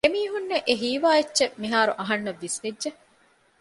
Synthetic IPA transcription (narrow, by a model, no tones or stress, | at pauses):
emiːɦunːeʔeɦiːʋaːetːt͡ʃːʃemiɦaːɾuʔɐɦɐnːɐʋːisʋedʒe